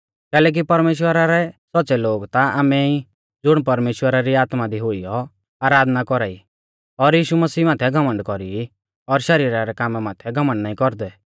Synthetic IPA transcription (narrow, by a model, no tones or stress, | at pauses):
kɛːlɛːk̬ipɐɾmeːʃ̬wəɾaɾɛsɔtːsɛloːɡt̪aaːmɛi | d͡zʊɽ̃p̬ɐɾmeːʃwəɾaɾiaːt̪mad̪iɦʊijɔ | aːɾaːd̪nakɔɾaːi | ɔɾjiːʃumɐsiːmãːt̪ʰɛɡʱɐmə̃ɳɖkɔɾii | ɔɾʃɐɾiːɾaɾɛkaːmɛmaːt̪ʰɛɡʱɐmə̃ɳɖnaːĩkɔɾd̪ɛ